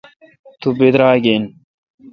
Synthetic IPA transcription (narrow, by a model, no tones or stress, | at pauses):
t̪ubed̪ɾaːɡen